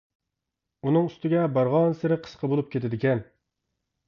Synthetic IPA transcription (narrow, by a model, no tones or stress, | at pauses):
unɨŋyst̪ɪɡʲɛbɑɾʁɑnsɪɾɪqʰə̥sqʰəbolˠup̚kʲʰet̪ɪd̪ɪkʲɛn